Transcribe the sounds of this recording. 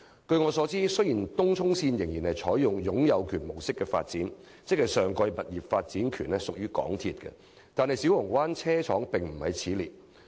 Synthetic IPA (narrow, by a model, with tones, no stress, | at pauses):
kɵ˧ɥŋɔː˨˧sɔː˨˥t͡siː˥sɵ˥jiː˨˩nt̪ʊ˥ŋt͡ʃʰʊ˥ŋsiː˧njɪ˨˩ŋjiː˨˩nhɐ˨jt͡sʰɔː˨˥jjʊ˨ŋjʊ˨˥ŋjɐ˨˧wkʰyː˨˩nmo˨˩wsɪ˥kːɛ˧fa̰ː˧t̚t͡siː˨˥n | t͡sɪ˥k̚hɐ˨˩jsœː˨ŋkɔː˧jmɐ˨t̚jiː˨p̚faː˧t̚t͡siː˨˥nkʰyː˨˩nɛ˥sʊ˨k̚jyː˥kɔ̰ː˨˥ŋt̪ʰiː˧t̚kɛ̰˧ | t̪aː˨nhɐ˨jsi˨˥wʊ˨˩ŋwaː˥nt͡sʰɛː˥t͡ʃʰɔ̰ː˨˥ŋpɪ˨ŋm̩˨˩hɐ˨jt͡sʰiː˨˥liː˨˩t̚